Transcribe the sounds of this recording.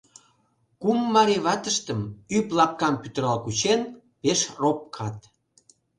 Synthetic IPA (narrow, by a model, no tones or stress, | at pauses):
kumːɑɾeβɑt̪əʃt̪əmyplɑp̚kɑmpyt̪əɾɑlkut͡ɕen | peʃrop̚kʰɑt̪